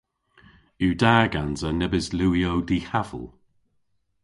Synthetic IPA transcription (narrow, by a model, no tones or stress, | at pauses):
ʉdaːɡanzənɛbɪzluːiowdiːhavə̰lˠ